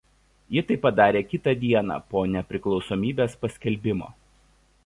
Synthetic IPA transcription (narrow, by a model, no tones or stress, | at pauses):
jɪt̪ɐɪpːɐd̪ɑːɾʲeːkʲɪt̪ɐd̪ʲiɛnɑ̰ːpoːnʲɛpʲɾʲɪklˠɒʊsoːmʲiːbʲeːspɐsʲkʲɛlʲbʲɪmo̰ː